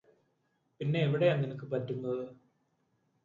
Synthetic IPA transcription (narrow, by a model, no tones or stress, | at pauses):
pinːe̞ːʋiɽejanːinɐkːɨpɐtːunːɐðɨ